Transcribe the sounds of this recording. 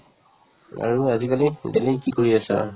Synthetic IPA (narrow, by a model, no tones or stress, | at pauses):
a̰ɹuazikalidelikikoɹiasa̰